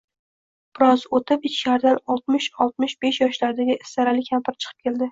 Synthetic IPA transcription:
b̥ɪɾɒzot̪ʰɪpɪt͡ʃʰʃaɾd̪anɒlˠt̪̚mɪʃɒlˠt̪̚mɪʃb̥eʃjɒʃlaɾd̪aɡʲɪʔst̪aɾalɪkʲʰampʰɪɾɪt͡ʃʰɨ̥qʰɨ̥p̚kʲʰe̞ld̪ɪ

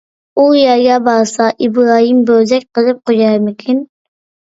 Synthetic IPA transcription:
ujɛɾɡʲɛbɑɾsɑʔibɾɑɦimbøzɛk̚ʲqʰəlˠɨp̚qod͡ʒɑɾmɪkʲʰin

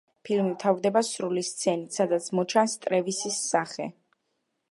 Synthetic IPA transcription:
pʰilmivt̪ʰavd̪ɛbasɾulist̪sʰɛnit̪sad̪at̪sʰmɔt͡ʃʰanst̪ʼɾɛvisisːaχɛ̰

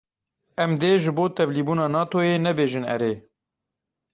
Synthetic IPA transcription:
ɛmd̪eːʒɨboːt̪ʰɛvliːbuːnɑːnɑːt̪ʰoːjeːnɛbeːʒɨnɛ̰ɾeː

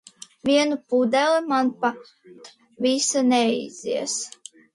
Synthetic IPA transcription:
vʲiɛnupud̪ɛlimanpa | t̪ | visanʲɛḭziɛs

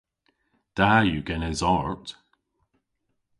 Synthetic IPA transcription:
d̥ajʉɡɛnɛzɔɹt

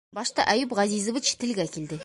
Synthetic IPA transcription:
bɑʃt̪ɑʔæjupʁɑzizovit͡ʃt̪ʰɪ̆lɡʲækʲʰeld̪ɪ

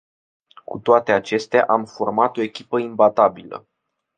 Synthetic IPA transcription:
kut̪oat̪e̞at͡ʃe̞st̪ea̰ʔamfo̞rmat̪o̞e̞kʲipəimbat̪abilə̰

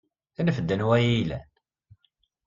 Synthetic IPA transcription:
inəfəd̪ːənwæjilæ̰n

